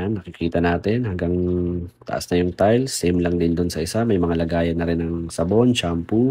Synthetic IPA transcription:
nːɐkɪkʰiːt̪ɐnaːt̪ɪnhɐŋɡaŋt̪ɐ̰ʔa̰snɐjʊŋt̪ajlsimlɐŋd̪ɪnd̪ʊnsɐʔɪsamɐjmɐŋalɐɡaːjɐnːɐɾɪnːɐŋsɐbont͡ʃampu

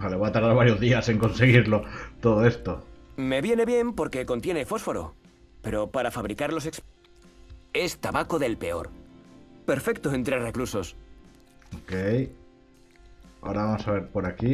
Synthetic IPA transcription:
aleβat̪aɾðaɾβaɾjo̞zðiasiŋko̞nse̞ɣiɾlo̞t̪oðoe̞st̪ome̞βje̞ne̞βje̞mpo̞ɾke̞ko̞nt̪je̞ne̞fo̞sfo̞ɾo̞̰ | pe̞ɾo̞paɾafaβɾikaɾlo̞seks | e̞st̪aβako̞ðe̞lpe̞o̞̰ɾ | pe̞ɾfe̞k̚t̪oent̪ɾere̞kluso̞s | okej | aoɾaβamo̞saβe̞ɾpo̞ɾaki

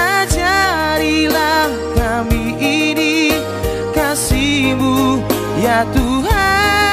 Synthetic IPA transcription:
ad͡ʒaɾilah | ka | mi | ini | kasimu | jat̪uɦa

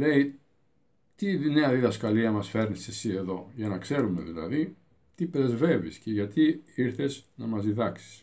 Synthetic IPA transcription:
le̞i | t̪ine̞ɐðiðɐskɐliɐmɐsfe̞ɾnisesie̞ðo̞ʝɐnɐkse̞ɾumeðilɐ̰ði | t̪ipɾe̞zve̞visce̞ʝɐt̪iiɾθe̞znɐmɐzðiðɐksi̥s

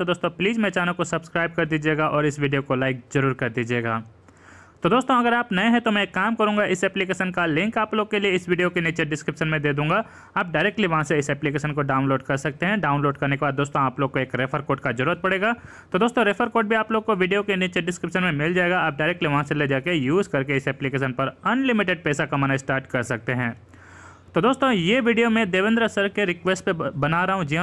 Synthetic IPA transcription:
t̪od̪oːst̪õpliːzmɛ̃ːt͡ʃaːnəkːosɐbskɾaːɪb̚kɐɾd̪iːd͡ʒieːɡaʔɔːɾɪsʋiːɖijokolaːɪk̚zɐɾuːɾkɐɾd̪iːd͡ʒieːɡaː | t̪od̪oːst̪õɐɡəɾaːpnɐẽɦɛ̃t̪omɛ̃kːaːmkɐɾũːŋɡaʔɪsɛːplikeːʃənkalɪ̃ŋkaːploːɡ̚kelieɪsʋiːɖijokeniːt͡ʃeɖɪskɾɪpʃənmẽd̪eːd̪ũːŋɡa | aːp̚ɖaːɪɾɛːk̚ʈliʋɐɦãseɪsɛːplikeːʃənkoɖaːʊ̃nloːɖkɐɾsɐk̚t̪eɦɛ̃ɖaːʊ̃nloːɖkɐɾnekebad̪oːst̪õaːploːɡ̚koeːkɾeːfʰəɾkoːʈkazɐɾuːɾət̪̚pɐɽeːɡaː | t̪od̪oːst̪õɾeːfʰəɾkoːʈ̚bʱiaːploːɡ̚koʋiːɖijokenit͡ʃəɖɪskɾɪpʃənmẽmɪld͡ʒaːeːɡaaːp̚ɖaːɪɾɛːk̚ʈliʋɐɦãseled͡ʒaːkejuːzkɐɾkeɪsɛːplikeːʃ̬ənpɐɾɐnlɪmɪʈeɖ̚pɛːsakamɐnaːisʈaːɾʈkɐɾsɐk̚t̪eɦɛ̃ː | t̪oːd̪oːst̪õjeʋiːɖijomẽd̪eːʋɪ̃nd̪ɾəɐsəɾkeɾɪkʋɛːsʈpebɐnaːɾɐɦõd͡ʒiɦã

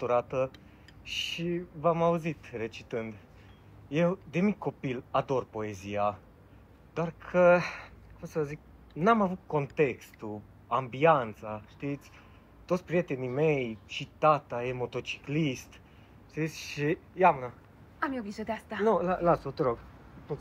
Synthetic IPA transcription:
t̪uɾat̪ə | ʃivamauzit̪re̞t͡ʃit̪ɨnd̪ | je̞wd̪e̞mikʲkːo̞pilad̪o̞rpo̞e̞zia | d̪̥oarkʰəkumsəvəzik̚ | namavut̪̚ko̞nt̪e̞kst̪u | ambiant̪saʃt̪it̪sʲ | t̪ot̪sʲpɾijet̪e̞nimejt͡ʃit̪at̪ajemot̪o̞t͡ʃi̥klist̪ | ʃt̪it̪sʲʃijamna | amjeovizod̪east̪anolalasot̪əɾoɡ̪o

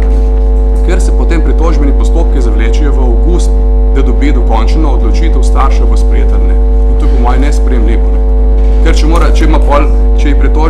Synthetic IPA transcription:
kɛɾsɛpɔt̪eːmpɾit̪ɔːʒbɛnipɔst̪oːp̚kizaʋleːt͡ʃɛjɔʋəokus | d̪ad̪ɔbiːd̪ɔkɔnt͡ʃnɔːd̪lɔt͡ʃiːt̪əwst̪aɾʃɛɡɔspɾɛjeːt̪əɾnɛ | int̪opɔmɔːjnɛspɾɛjɛmliːʋɔ | kɛɾt͡ʃɛmoɾat͡ʃɛmapɔl | t͡ʃɛipɾit̪o

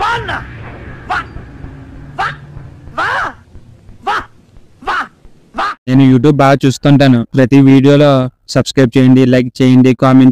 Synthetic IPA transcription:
an | neːnujuːʈ̬juːbːaːɡat͡ʃuːst̪uːɳʈaːnupɾɐt̪iʋiːɽijoːloːsɐbskɾɐjb̚t͡ʃeːjiɳɖilɐjk̚t͡ʃeːjiɳɖikaːmeɳʈs

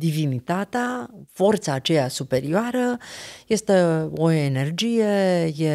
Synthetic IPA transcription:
d̪ivinit̪at̪eafo̞rt̪saːt͡ʃe̞jasupe̞ɾioaɾəje̞st̪e̞oene̞rd͡ʒije̞je

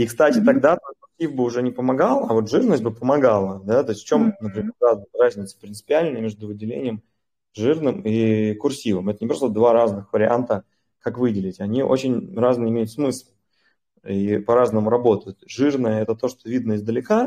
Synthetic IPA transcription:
ikst̪atʲɪt̪ɐɡd̪at̪okʊrsʲivbɨʊʐɛnʲɪpəmɐɡalˠɐvo̞t̪ʐɨrnəsʲt̚ʲbɨpəmɐɡalˠəd̪at̪o̞ɪsʲtft͡ɕo̞mnəpɾʲɪmʲerːaznɨrazʲnʲɪt̪sə̥pɾʲɪnt̪sɨ̥pʲɪalʲnəjmʲeʐd̪ʊvɨdʲɪlʲḛnʲɪjəm | ʐɨrnɨmikʊrsʲivɨmɛt̪ənʲɪpɾost̪əd̪vaɾaznɨxvəɾʲɪa̰nt̪ə | kakvɨdʲɪlʲɪtʲɐnʲiʔo̞̰t͡ɕɪnʲraznɨjɪmʲejʊt̪smɨslˠ | ipɐɾaznəmʊɾɐbo̞t̪əjʊt̪ʐɨrnəjəɛt̪ət̪o̞ʂt̪o̞vʲid̪nəɪzd̪əlʲɪka

